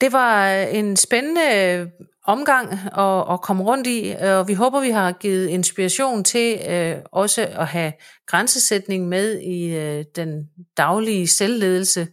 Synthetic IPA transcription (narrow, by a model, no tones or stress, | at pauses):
d̥e̝ʋɑ̈e̝nsb̥enənə | ɒ̽mɡ̥ɑ̈ŋ̰ɒ̽ːkʰɒ̽məʁɔ̽n̰d̥iɒ̽ʋiɦo̽ːb̥ɐʋiɦɑ̈ɡ̥iːð̞̩ˠe̝nsb̥iʁɑɕo̝̰ːnt͡sʰe̝ | ɒ̽səɒ̽ɦæɡ̥ʁansəsed̥ne̝ŋmeð̞ˠid̥end̥ɑ̈ʊliəselːe̝ːð̞ˠl̩sə